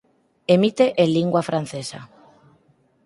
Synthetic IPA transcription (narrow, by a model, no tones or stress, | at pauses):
emit̪eʔeliŋɡwafɾan̟θesa̰